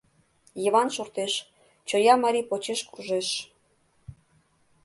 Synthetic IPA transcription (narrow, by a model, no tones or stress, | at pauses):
jəβɑnʃort̪eʃ | t͡ɕojɑmɑɾipot͡ɕeʃkuʒeʃ